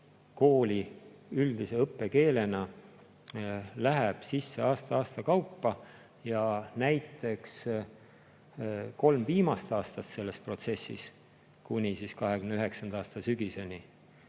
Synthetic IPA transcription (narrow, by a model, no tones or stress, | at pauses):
ko̞ːlʲiyld̪̥ise̞ɤpːˑe̞ke̞ːle̞nɑ | læɦeb̥sisːe̞ɑːst̪ɑɑːst̪ɑkɑwpːɑ | jɑnæjt̪ːˑe̞ks | ko̞lmviːmɑst̪ɑːst̪ɑt̪se̞lːe̞spro̞t̪se̞sːḭs | kunʲisiskɑɦe̞kymnyɦe̞ksɑnd̪̥ɑːst̪ɑsyɡ̥ise̞nʲi